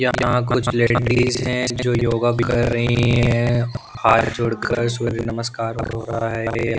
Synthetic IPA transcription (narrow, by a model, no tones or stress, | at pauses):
jɐjɐɦãkʊt͡ʃʰleːɖiːzɦɛ̃d͡ʒd͡ʒoːjoːɡakɐɾːɐɦiɦɦɛ̃ | haːt̪d͡ʒʊɽkəɾsʊɾinɐməskaːɾɦɦo̰ːɾɐɦaɦɛɦɛja